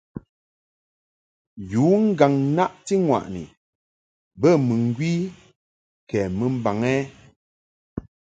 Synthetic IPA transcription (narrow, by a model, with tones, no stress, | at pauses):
juː˨˦ŋ̩˦ɡa˨ŋna˦ʔti˦ŋwa̰˨ʔnḭ˨ | bə˦˨mɨ˨ŋ̩˦ɡwi˦ | kɛː˨mə˨m̩˦ba˨ŋɛ˦